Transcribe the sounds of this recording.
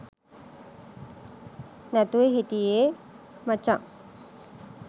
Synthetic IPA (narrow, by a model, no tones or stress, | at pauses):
nɛt̪ueɦit̪ie | mat͡ʃaʔ